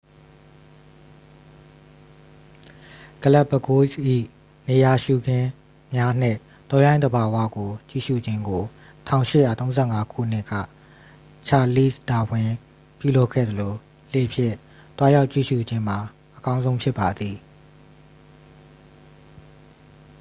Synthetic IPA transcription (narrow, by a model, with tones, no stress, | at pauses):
ɡ̥ə˨la˦ʔbə˨ɡo˦sʔḭ˦˨ | ne˨ja˨ʃu˨ɡɪ̃˦ | mja˦n̥ɪ̰̃˦˨ | t̪ɔ̃˦jã˦ɪ̃nd̪əba˨wa̰˦˨ɡo˨t͡ɕḭ˦˨ʃṵ˦˨d͡ʑɪ̃˦ŋɡo˨ | tʰã̰˦˨ʊ̃ʃɪ˦˨ja˨t̪õ˦ʊ̃zɛ˦˨ŋa˦kʰṵ˦˨n̥ɪ˦ʔkä̰˦˨ | t͡ɕʰa˨li˦˨sta˨wɪ̃˨ | pjṵ˦˨lo˦ʔkʰɛ̰˦˨d̪ə˨lo˨ | le˨pʰjɪ̰̃˦˨ | t̪wa˦ja˦ʊʔt͡ɕḭ˦˨ʃṵ˦˨d͡ʑɪ̃˦m̥a˨ | ʔəkã˦ʊ̃zõ˦ʊ̃mpʰjɪ˦˨pːa˨d̪i˨